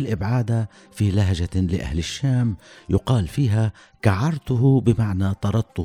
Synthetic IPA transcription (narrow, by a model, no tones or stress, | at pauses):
lʔɪbʕaːd̪a | filaɦʒalɪʔa̰hlɪʃːaːmjʊqɑːlfiːɦa | kaʕɑɾˤt̪ʊɦʊbɪmaʕnat̪ɑɾˤɑd̪̚tˤːʊ